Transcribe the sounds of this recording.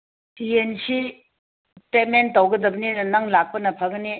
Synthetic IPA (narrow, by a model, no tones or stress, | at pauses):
tiensi | pementːawɡɐdɐbninɐŋlak̚pɐnɐpʰɐɡni